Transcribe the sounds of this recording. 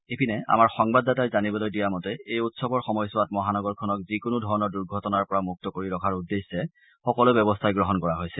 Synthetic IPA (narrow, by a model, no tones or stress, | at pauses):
epʰinɛa̰maɹxɔŋbadatajzanibɔlojdijamɔtɛejutsɔbɔɹxɔmɔjsʊwatmɔɦanɔɡɔɹkʰɔnɔk̚zikʊnʊdʱɔɹɔnɔɹduɹɡʱɔtɔnaɹpɔɹamuk̚tɔkoɹiɹɔkʰaɹudːesːɛ | xɔkɔlʊbɛbɔstʰajɡɹɔɦɔnkɔɹaɦojsɛ